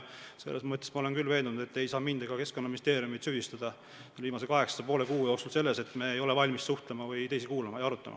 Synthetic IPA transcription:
se̞̰lːesmɤt̪ʲːˑesmɑo̞le̞nkylve̞ːnd̪unud̪̥e̞t̪ːˑe̞jsɑːmind̪̥ɑɡ̥ɑke̞sko̞nːɑminist̪e̞ːɾiumit̪syhd̪ist̪ɑd̪̥ɑ | lviːmɑs̬ekɑɦe̞ksɑ̥sɑpo̞ːlekuːjokst̪ulse̞lːe̞se̞t̪ːˑmeːjo̞le̞vɑlʲmissuht̪le̞mɑvɯjt̪e̞jsikuːlɑmɑjɑɾut̪ːˑɑ̰mɑ̰

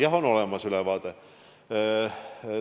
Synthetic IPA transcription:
jɑɦono̞lɛmɑsylɛvɑːd̪̥e

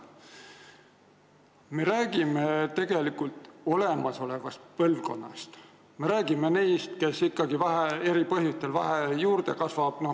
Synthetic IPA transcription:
me̞ɾæːɡ̥ime̞t̪e̞ɡ̥e̞likult̪ˑo̞le̞mɑso̞le̞vɑst̪̚pɤlvko̞̰nːɑ̰st̪ | me̞ɾæːɡ̥ime̞nejst̪ke̞sikːɑɡivæɦee̞ɾipɤɦjust̪elvæ̰ɦejuːɾd̪̥e̞kɑsvɑb̥no

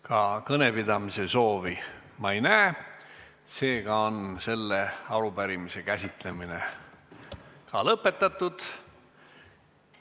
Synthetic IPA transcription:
kɑkɤne̞pid̪ɑmise̞so̞ːvi | mɑejnæː | se̞ːɡ̥ɑo̞nse̞lːe̞ɑlubæɾimise̞kæsʲit̪le̞mine̞ | kɑlɤpːˑe̞t̪ːˑɑt̪ːˑud̪̥

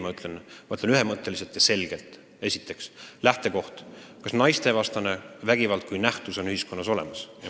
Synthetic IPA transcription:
mɑyt̪le̞nmɑyt̪lenyɦe̞mɤt̪ːe̞liselt̪jɑse̞lɡ̥e̞lt̪ˑ | e̞sʲit̪ːˑe̞kslæht̪e̞ko̞ht̪kɑsnɑjst̪e̞vɑst̪ɑne̞væɡ̥ivɑlt̪̚kujnæht̪uso̞nyhisko̞nːɑso̞le̞mɑsjɑ

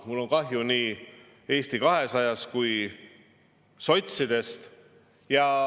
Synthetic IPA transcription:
mulːo̞ŋkɑɦjuniː | e̞ːst̪ikɑɦe̞sɑjɑskuj | so̞t̪ʲsid̪̥e̞st̪ | jɑ

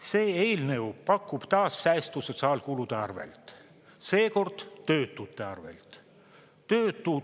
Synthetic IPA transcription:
se̞ːeːlne̞upɑkˑːub̥t̪ɑːsːæːst̪uso̞t̪sɑːlkulud̪̥eɑrvḛlt̪ˑ | se̞ːko̞rd̪̥t̪ːø̞ːt̪ːˑut̪ːˑe̞ɑ̰rvḛlt̪ | t̪øːt̪ːˑu

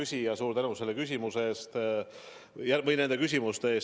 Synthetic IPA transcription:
ysʲijɑsuːɾt̪ænuse̞lːe̞kys̬ʲimuseeːst̪ | jæmɤjnend̪e̞kysʲimust̪eeːs

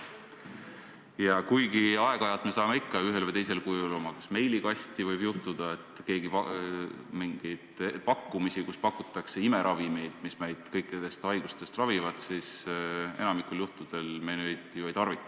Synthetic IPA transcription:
jɑkujɡiɑe̞ɡ̥ɑjɑlt̪me̞sɑːmeikˑːɑyɦe̞lvəjt̪ejs̬e̞lkujulomɑksme̞jliɡ̥ɑsʲt̪ivɤjbjuht̪ud̪̥ɑe̞t̪ːˑke̞ːɡip | miŋɡ̥ejd̪̥pɑkːumisikuspɑkːˑut̪ːˑɑkse̞ime̞ɾʔɑvime̞jd̪̥misme̞jd̪̥kɤjkːˑid̪̥e̞st̪ɑjɡ̥ust̪e̞st̪rɑvivɑd̪̥sisenɑmikːuljuht̪ud̪̥e̞lmenyjt̪ˑːiejt̪ɑrvit̪ˑːɑ̥

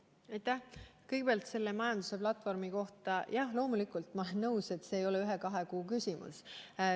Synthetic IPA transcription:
ɑjt̪ːæhkɤjɡ̥epeɑlt̪se̞lːe̞mɑjɑnd̪̥use̞plɑt̪ːˑfo̞rmiko̞ht̪ɑjɑhlo̞ːmulikˑult̪ˑmɑlenːɤwse̞t̪ːˑse̞ːjo̞leyɦekɑɦe̞kuːkysʲimṵs

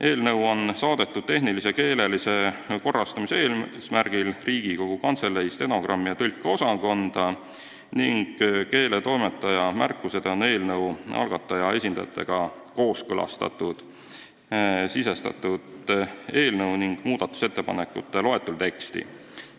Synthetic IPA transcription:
ʔe̞ːlnɤwo̞nsɑːd̪e̞t̪ːˑud̪̥̚t̪e̞ɦniliseke̞ːle̞lise̞ko̞rːɑst̪ɑmiseːlsmærɡ̥ilriːɡ̥iko̞ɡ̥ukɑnt̪se̞lːeist̪e̞noɡrɑmːiɑt̪ɤlʲkˑːeo̞sɑko̞nd̪̥ɑ | niŋɡ̥ke̞ːle̞t̪o̞jmet̪ːˑɑjɑmærkːˑuse̞d̪̥eo̞ne̞ːlnɤwʔɑ̰lɡ̥ɑt̪ːˑɑjɑe̞sʲind̪̥ɑ̰jɑ̰t̪ːˑe̞̰ɡ̥ɑ | ko̞ːskɤlɑ̰st̪ɑ̰t̪ːˑud̪̥ | sisest̪ɑ̰t̪ːˑud̪e̞ːlnɤwniŋɡ̥muːd̪̥ɑt̪ːˑu̥set̪ːe̞pɑne̞kːˑṵt̪ːˑe̞lo̞e̞t̪ːˑult̪e̞kst̪ḭ

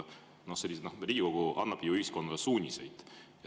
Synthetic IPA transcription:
no̞hselʲːisnohriːɡiko̞ɡ̥uʔɑ̰nːɑb̥juyhisko̞nːɑlesuːnʲise̞̰jd̪̥jɑ

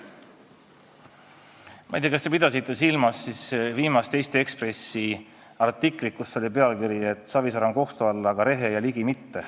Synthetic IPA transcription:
mɑ̰ijt̪eɑkɑst̪e̞pid̪̥ɑs̬it̪ˑːe̞silmɑsːisviːmɑst̪e̞jst̪eekspre̞si | ɑrt̪ːˑikˑlikːusːo̞lʲipe̞ɑlkiɾie̞t̪ːˑsɑvisɑɾɑŋko̞ht̪uɑlːɡ̥ɑɾe̞ɦejɑliɡimit̪ːe̞

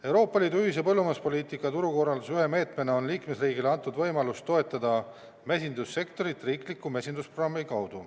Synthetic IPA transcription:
e̞wɾo̞ːpːˑɑliːd̪uyhise̞pɤlːumɑspo̞lʲiːt̪ˑikːˑɑt̪uɾuko̞rɑld̪usyhe̞me̞ːt̪me̞neo̞nliːkme̞sriːɡileɑnt̪ːˑud̪vɤ̞jmɑlust̪ːo̞e̞t̪ːˑɑd̪̥ɑ | mesʲind̪̥usːe̞kt̪o̞ɾit̪ːˑriːklikːˑumesʲind̪usprorɑmːikɑwd̪̥u

